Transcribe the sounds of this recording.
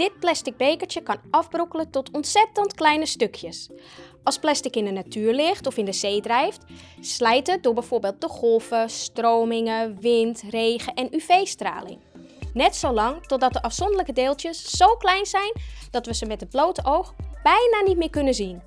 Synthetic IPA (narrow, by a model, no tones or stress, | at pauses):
d̥ɪt̚plɛstɪɡ̚beːkəɹtjəkɑnɑfbrokələtɔtʰɔntsɛtəntklɛjnəstøkʰjəsʔɔlˠsplɛstɪkɪndənatʰyːɹlɪxtɔfɪndəz̥eːdrɛjftslɛjtət̚dʊːɹbɛjfʊːrbeːlˠt̚d̥əxɔlˠfəstroːmɪŋəʋɪntreːɣəʔɛnyfejstra̰ːlɪ̰ŋ | nɛtsowlɑŋtɔt̚dɔt̚dəʔɑfsɔndələkədeːlˠtjəsːowklɛjnzɛjnd̥ɔtʋəzəmɛtət̚bloːtəowxb̥ɛjnanit̚mɪːkønəzin